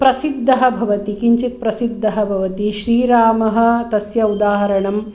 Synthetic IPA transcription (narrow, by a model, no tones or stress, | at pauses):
pɾɐsid̪ʱːɐɦɐbʱɐʋɐt̪ikiɲt͡ʃit̪̚pɾɐsid̪ʱːɐɦɐbʱɐʋɐt̪iʃɾiːɾaːmɐɦɐ̆t̪ɐsjɐud̪aːɦɐɾɐɳɐm